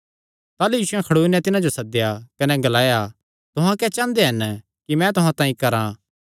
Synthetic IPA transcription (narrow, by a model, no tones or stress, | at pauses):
t̪aːlujiːʃʊɛ̃kʰɐɽuːnɛ̃t̪ɪnãd͡ʒosɐd̪ejakɐnɛɡɐlaːja | t̪ʊɦãkɛt͡ʃãːnd̪eɦɐn | kimɛ̃t̪ʊɦãt̪ãːĩkɐɾã